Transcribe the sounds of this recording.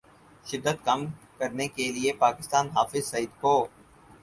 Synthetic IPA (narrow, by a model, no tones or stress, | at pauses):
ʃɪd̪ːət̪kɐm | kɐɾnekeliepaːkɪst̪aːnɦaːfɪzsɐiːd̪koː